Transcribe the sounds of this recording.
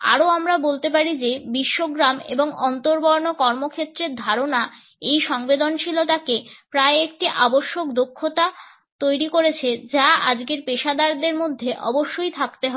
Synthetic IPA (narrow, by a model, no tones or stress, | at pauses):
a̰ɾoamɾabolt̪epaɾid͡ʑebiʃːoɡɾamḛboŋɔnt̪oɾbɔɾnokɔɾmokʰet̪ːɾeɾd̪ʱaɾona | ejʃɔŋbed̪ont͡ɕʰilot̪akepɾaeek̚ʈiʔaboʃːokd̪okʰːot̪a | t̪ojɾikoɾet͡ɕʰed͡ʑaad͡ʑɡeɾpeʃad̪aɾd̪eɾmod̪ʱːeʔɔ̰boʃːojt̪ʰakt̪eɦɔe